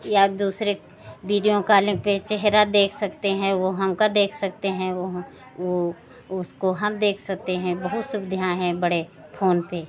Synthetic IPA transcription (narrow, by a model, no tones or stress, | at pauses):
jad̪uːsɾe | ʋiːɖijõkaːlẽpet͡ʃɛɦɾad̪eːkʰsɐkt̪eɦɛ̃ʋoɦɐmkad̪eːkʰsɐkt̪eɦɛ̃ | o | ʊskoɦɐmd̪eːkʰsɐk̚t̪eɦɛ̃bɐɦʊt̪sʊbd̪ʱjãːɦɛ̃bɐɽepʰoːnpe